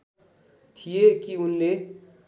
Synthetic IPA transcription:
t̪ʰijekiunle

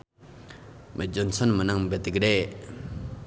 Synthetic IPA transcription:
məɦd͡ʑont͡sʰonmənaŋmbət̪ək̚rel

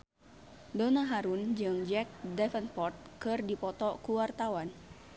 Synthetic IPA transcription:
dɔnaɦaɾund͡ʒɨŋd͡ʒɛk̚dɛfənpɔrt̪̚kɨrdipɔt̪ɔkuwart̪awan

